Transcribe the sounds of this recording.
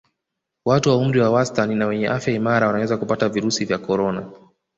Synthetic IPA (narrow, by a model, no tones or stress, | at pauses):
watuwaum̩ɾiwawastaninawɛɲɛʔafjaimaɾawanawɛzakupataviɾusivjakɔɾɔna